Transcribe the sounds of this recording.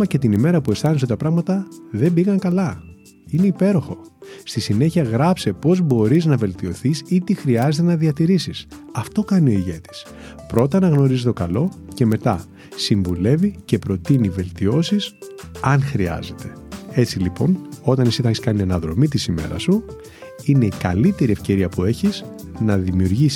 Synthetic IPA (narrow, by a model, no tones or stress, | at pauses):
ɐce̞t̪inime̞ɾɐpue̞st̪ɐnis̬ot̪ɐpɾɐɣmɐt̪ɐðe̞mbiɣɐŋkɐlɐ | ine̞ipe̞ɾo̞xo̞st̪isine̞çiɐɣɾɐpse̞po̞zbo̞ɾiznɐve̞lt̪io̞θisit̪ixɾiɐzet̪enɐðiɐt̪iɾisis | ɐft̪o̞kɐnio̞iʝe̞t̪i̥s | pɾo̞t̪ɐnɐɣno̞ɾizit̪o̞kɐlo̞ce̞me̞t̪ɐ | siɱvule̞vice̞pɾo̞t̪inive̞lt̪io̞sis | ɐnxɾiɐ̰ze̞t̪e̞̥ | e̞t͡silipo̞no̞t̪ɐnisit̪ɐçeskɐnienɐðɾo̞̰mit̪isime̞̰ɾɐ̰su | ine̞ikɐlit̪e̞ɾiefce̞ɾiɐpue̞çiz | nɐðimiuɾʝis